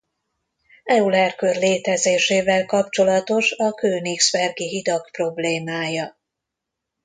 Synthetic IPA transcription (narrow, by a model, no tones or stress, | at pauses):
ɛulɛrkørleːt̪ɛzeːʃeːvɛlkɒpt͡ʃo̞lɒt̪o̞ʃɒkøːniksbɛrɡiɦid̪ɒkpro̞bleːmaːjɒ